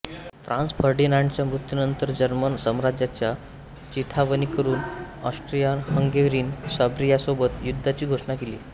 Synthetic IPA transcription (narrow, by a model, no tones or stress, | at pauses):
fɾʔãnsbʰʱəɾɖinaɳɖt͡ɕjamɾut̪junənt̪əɾd͡ʑəɾmənsəmɾad͡ʑjat͡ɕja | t͡ɕit̪ʰaʋənikəɾuːn | ɔ̰sʈɾijanhəŋɡeʋɾiːnsəbɾijasobət̪jud̪ʱːat͡ɕiːɡʱoʂɳakelḭː